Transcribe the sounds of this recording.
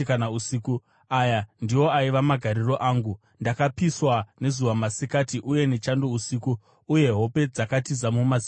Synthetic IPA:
kanausiku | ajandiwo̞aiʋamaɡʱaɾiro̞ʔaːŋɡu | ndakapiswane̞zuwamasikatiʔuje̞ne̞t͡ʃandousikuː | je̞ɦo̞pe̞d͡zakatizamumazi

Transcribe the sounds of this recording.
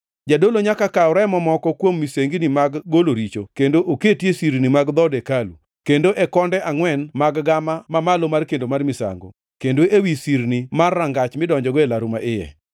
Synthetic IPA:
d͡ʒadoloɲakakaʊɾɛɛmɔmɔkɔkwomːiseŋɡinimaɡːoloɾit͡ʃokendoʔoketjesiɾnimaɡd̪ɔdekalṵ | kendoʔɛkɔndɛʔaŋwɛnmaɡɡamamamalomarkendomarmisa̰ŋɡo̰ | kendoʔewisiɾnimarːaŋɡat͡ʃmɪdɔɲd͡ʒɔɡɔelaɾumaʔɪjɛ̰

